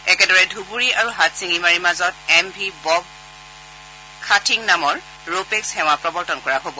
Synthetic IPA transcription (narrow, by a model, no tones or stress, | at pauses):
ɛkɛdɔɹɛdʱubuɹiaɹuɦatsiŋimaɹimazɔt̚ɛmbʱibɔb | kʰatʰiŋnamɔɹ | ɹopekshɛw̃apɹɔbɔɹtɔnkɔɹaɦobɔ